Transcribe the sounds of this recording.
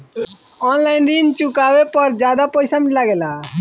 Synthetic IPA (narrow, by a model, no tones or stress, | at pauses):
ɔnlaːɪnd̪int͡ʃʊkaːʋepəɾd͡ʒjaːd̪apəɪsamɪlaɡɛla